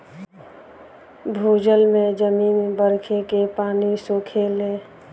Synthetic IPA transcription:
bʱuːd͡ʒəlmẽd͡ʒəmiːnbəɾkʰekepaːnisokʰele

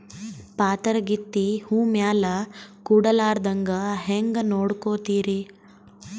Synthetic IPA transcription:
paːt̪ɐɾɐɡit̪ːihuːmjaːlɐkuɽɐlaːɾd̪ɐŋɡɐɦeŋɡɐnoːɽkoːt̪iːɾi

